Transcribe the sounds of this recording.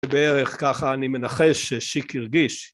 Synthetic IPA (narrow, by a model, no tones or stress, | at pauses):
ebeeʁeχkaχaːnime̞naχeʃeʃikiʁɡiʃ